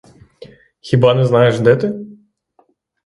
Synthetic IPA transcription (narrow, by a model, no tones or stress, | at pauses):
xʲibɑnɛznɑjeʃd̪ɛt̪ɪ